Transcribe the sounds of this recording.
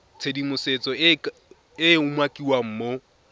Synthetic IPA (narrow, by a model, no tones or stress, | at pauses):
t͡sʰedimʊset͡sʼɔ | ɪʊmwakʼiwam̩ːmo